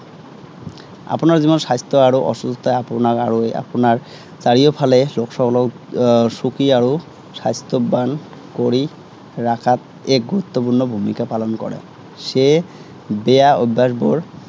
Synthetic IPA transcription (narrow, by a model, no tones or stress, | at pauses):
a̰ponaɾzimonʃajst̪ʰoaɾoʔɔʃust̪ajaponaɾa̰ɹoa̰ponaɹ | t͡ɕaɹiopʰaleloksɔkɔlɔ | ʃukiaɾo | sajst̪ʰobːan | koɾi | ɾakʰat̪̚ | ek̚ɡuɾut̪ːopuɾnobʱumikapalonkɔ̰ɽḛ | ʃe | beaobːaʃboɹ